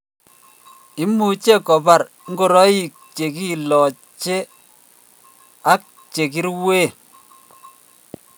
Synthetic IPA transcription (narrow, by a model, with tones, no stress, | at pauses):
i˦mu˨t͡ʃe˦kɔ˨pa˨ɾ | ŋɡo˨ɾɔ˦i˨k̚t͡ʃe˨ki˦˨lɔ˨ | t͡ʃe˦ | a˦k̚ | t͡ʃe˨ki˦ɾwe˦˨